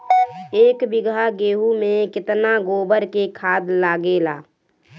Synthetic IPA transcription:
eːkbɪɡʱaɡeːɦumẽkɪt̪naɡoːbəɾkekʰaːd̪laːɡela̰ː

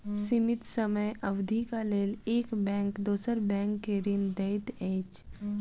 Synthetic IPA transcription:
sɪmɪt̪səməjʔəʋd̪ʱikaleːleːkbɛ̃ːŋkd̪oːsəɾbɛ̃ːŋkːeɾɪnd̪eɪʈ̪eːt͡ʃ

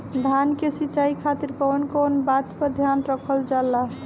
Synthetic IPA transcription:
d̪ʱankesit͡ʃaikʰat̪iɾkɔnkɔnbat̪pəɾd̪ʱjanɾəkʰəld͡ʒalːaɦ

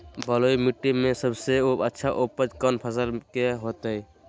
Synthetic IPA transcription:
bəlojmiʈːimẽsəbseoətːʃʰaʔopəd͡ʒkənpʰəsəlkeɦot̪əj

